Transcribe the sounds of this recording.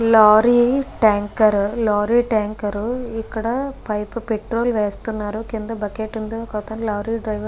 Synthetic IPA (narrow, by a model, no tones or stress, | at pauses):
laːɾiʈaːŋkɐɾlaːɾiːʈaːŋkɐɾuikːɐɽɐpɐjpupeʈɾoːlʋeːst̪unːaːɾukind̪ɐbɐkeːʈind̪okɐːt̪ɐnlaːɾiːɖɾɐjʋɐ